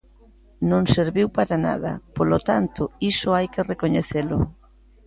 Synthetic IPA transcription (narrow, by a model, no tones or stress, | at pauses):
nõŋseɾβiwpaɾana̰ðɐ̰polot̪ant̪ʊisʊajkerekoɲeθelʊ̰